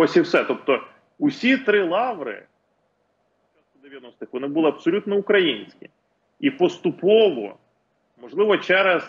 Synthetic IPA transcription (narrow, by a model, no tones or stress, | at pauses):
ɔsʲiwsɛt̪ɔp̚t̪ɔ | ʊsʲit̪ɾɪlˠɑʋɾɪ̰ | sʲat̪̚kʊd̪eʋʲjɐnɔst̪ɪxʋɔnɪbʊlˠɪɐpsɔlʲut̪nɔʊkɾɐjinʲsʲkʲɪ̰ | ipɔst̪ʊpɔʋɔ̰ | mɔʒlˠɪʋɔt͡ʃɛɾɛz